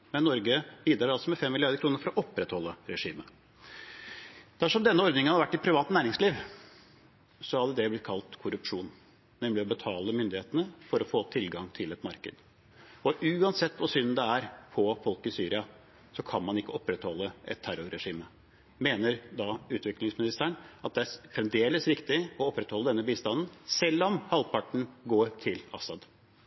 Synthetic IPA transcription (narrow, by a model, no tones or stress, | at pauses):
mɛnːɔɾɡəbiːd̪ɾɑɾɑlsɔmɛfɛmːɪlɪɑɾd̪əkʰɾuːnəɾfɔɾɔʔɔpːɾɛt̪hɔlːəɾɛʂiːmə | d̪̥æʂɔmd̪ɛnːəɔɾd̪nɪŋəhɑɾʋæʈːɪt̪̚pʰɾɪʋɑːt̪næːɾɪŋsliːʋ | sɔɑd̪ɛd̪ɛblɪt̪̚kʰɑlt̪kʰʊɾʉpʂuːn | nɛmlɪɔbət̪ʰɑːləmʏnd̪ɪheːt̪ənəfɔɾɔfoːt̪ʰɪlɡɑŋt̪ʰɪlɛt̪mɑɾkə̰d̪ | ɔʔʉːɑnsɛt̪ːʋɑsʏnnd̪ɛæɾpʰɔfɔlkɪsyːɾɪɑ | sɔkʰɑnmɑnɪkːəɔpːɾɛt̪hɔlːəɛ̰t̪ʰːæɾʊɾɛʂiːmə | meːnəɾd̪ɑʉːt̪ʋɪklɪŋsmɪnɪst̪æɳɑt̪̚d̪ɛæfɾɛnd̪eːləsɾɪkt̪ɪɔɔpːɾɛt̪hɔlːəd̪ɛnːəbiːst̪ɑnn̩sɛlːɔmhɑlpʰɑʈɳ̩ɡoːɾʈ̪ʰɪlɑ̰sɑd̪